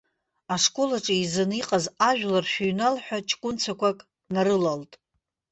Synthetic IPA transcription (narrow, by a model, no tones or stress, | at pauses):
aʂkʷʼo̞laʈ͡ʂʼaizɨniqʼazaʒᶣlarʃᶣuɥnalħʷᶣat͡ʃʰʼkʷʼʊnt͡sʰakʷakʼ | naɾɨlaltʼ